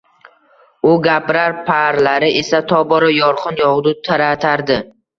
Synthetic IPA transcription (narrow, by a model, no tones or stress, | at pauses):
ʊɡʲapɾaɾpʰaɾlaɾɪʔe̞sat̪ʰɒbɒɾajɒɾqʰɨnjɒʁd̪ʊt̪ʰaɾat̪ʰaɾd̪ɪ